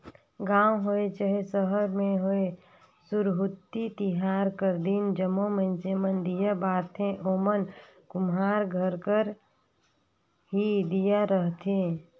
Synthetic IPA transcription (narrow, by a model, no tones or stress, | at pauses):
ɡãːwɦoet͡ʃəɦesəɦəɾmẽɦoe | sʊɾɦʊt̪ːit̪ɪɦaːɾkəɾd̪ind͡ʒəmomə̃nsemənd̪ijabaːt̪ʰẽʔoːmən | kʊmɦaːɾɡʱəɾkəɾ | ɦid̪ijaɾəɦt̪ʰẽ